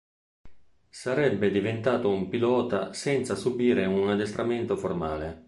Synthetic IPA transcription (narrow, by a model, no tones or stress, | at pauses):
saɾɛbːed̪ivent̪aːt̪oumpilɔːt̪asɛnt̪sasubiːɾeunad̪est̪ɾʔamɛnt̪oformaːle